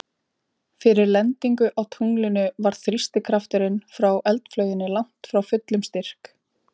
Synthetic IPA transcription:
fɪɾɪɾlɛnt̪iŋkʏʔawt̪ʰuŋlɪnʏvaɾ̥θɾist̪ɪkʰɾaft̪ɪɾɪnfɾawʔɛlt̪flœːɥjɪnɪlan̥t̪fɾawfʏt̪lʏmst̪ɪr̥k

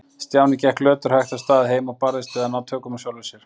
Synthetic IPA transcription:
st̪jawnicɛhklœːt̪ʏɾ̥haxt̪ast̪aːðɪɦeːjmaɣpaɾðɪst̪ʏːðanawt̪ʰœːkʏmasjawlvɪsɛɾ̥

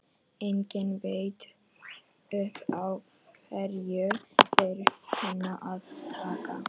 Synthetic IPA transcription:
eŋcɪnveɥt̪ | ʏhpaw | fɛɾjʏtʰɪɾhʰɛnaʔaðt̪ʰaːka̰

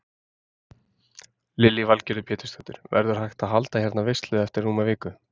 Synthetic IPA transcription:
lɪlːivalcɛɾðʏpʰjɛːt̪ʏ̥st̪at̪ʏɾ̥vɛ̰ɾðʏɾ̥ɦajxt̪aðɦalt̪açɛɾt̪navɪjst̪lʏðɛft̪ɪɾ̥ːuːmaviːkʏ

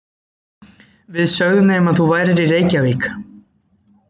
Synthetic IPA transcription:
vɪðsœɣðʏmnemaðθuvajɾɪɾireːjcaviːk

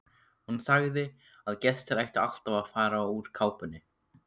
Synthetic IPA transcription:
hunsaɣðɪ | aðcɛst̪ɪɾajht̪ɪa̰l̥t̪avafaːɾauɾ̥kʰaːwpʏnːɪ

